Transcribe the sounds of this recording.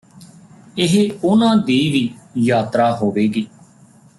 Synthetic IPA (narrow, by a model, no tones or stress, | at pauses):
ɪɦʊnãːd̪iːʋiːjaːt̪ɾaːɦoːʋeːɡiː